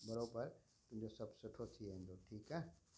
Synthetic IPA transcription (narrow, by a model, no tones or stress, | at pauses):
bʱɐɾoːbəɾ | t̪ʊ̃md͡ʒosɐbsʊʈʰot̪ʰiɛ̃nd̪oːʈʰiːkɦɛ